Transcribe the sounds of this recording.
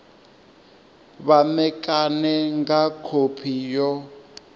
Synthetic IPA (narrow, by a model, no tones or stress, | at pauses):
βamɛkʼanɛŋɡakʰopʰijɔ